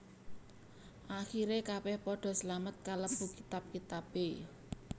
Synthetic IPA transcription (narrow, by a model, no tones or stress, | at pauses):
ʔaxiɾekabɛhpɔɖ̥ɔ̤səlamət̪̚kaləpukit̪ap̚kit̪ab̥e